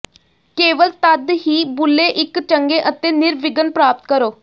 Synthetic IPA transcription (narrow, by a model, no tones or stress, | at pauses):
keːʋəlt̪əd̪ɦiːbʊlːeːʔɪkt͡ʃəŋɡeːʔət̪eːnɪɾʋɪɡənpɾaːp̚t̪̚kəɾoː